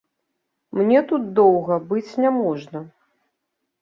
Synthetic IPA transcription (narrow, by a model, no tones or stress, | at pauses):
mnʲɛt̪ut̪̚d̪ɔwɣɐbɨt͡sʲnʲamɔʐnɐ